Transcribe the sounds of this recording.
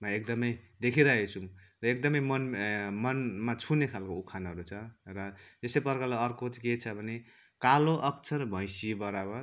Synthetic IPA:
mʌek̚d̪ʌmʌjd̪ekʰiɾʌet͡sʰũ | rʌek̚d̪ʌmʌjmʌnmʌnmat͡sʰunekʰalkoukʰanʌɾut͡sʰʌrʌesejpʌrkʌlaʌrkot͡sket͡sʰʌbʱʌne | kaloʔʌkt͡sʰʌɾbʱʌj̃sibʌɾabʌr

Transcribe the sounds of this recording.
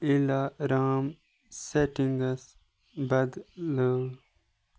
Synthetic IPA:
ilaɾaːm | seʈiŋɡɐs | bɐd̪ləːl

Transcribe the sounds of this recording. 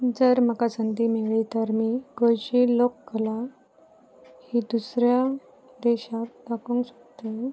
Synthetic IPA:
d͡zəɾm̤əkasənt̪imeʋɭiːt̪əɾmiːɡojt͡ɕiːlokːəla | hid̪usɾja | d̪eɕak̚d̪akũːŋkɕəkt̪e

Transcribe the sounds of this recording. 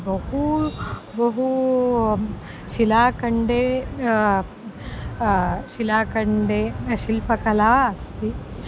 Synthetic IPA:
bɐɦu | bɐɦu | ʃilaːkɐɳɖeː | ʃilaːkɐɳɖeːʃilpɐkɐlaːɐst̪i

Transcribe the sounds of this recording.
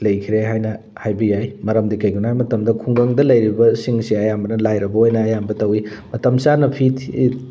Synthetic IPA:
lɐjkʰiɾeɦajnɐ | hajbɐjajmɐɾɐmdikɐjɡunajmɐtɐmdɐkʰuŋɡɐŋdɐlɐjɾibɐsiŋsiɐjambɐnɐlajɾɐbɐojnɐːjambɐtɐwimɐtɐmsanɐpʰitʰi

